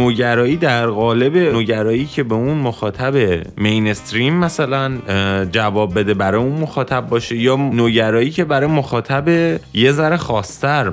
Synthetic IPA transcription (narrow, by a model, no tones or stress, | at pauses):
oːɟæɾɒːiːd̪æɾɣɒːle̞be̞noːɟæɾɒːjiːcʰe̞beunmoxɒːt̪ʰæbemejnest̪ɾimːæsælænd͡ʒævɒːbːe̞d̪ebæɾɒːjeunmoxɒːt̪ʰæb̚ːɒːʃejɒːnoːɟæɾɒːjiːcʰebæɾɒːjemoxɒːt̪ʰæbeje̞zæɾexɒːst̪ʰæɾ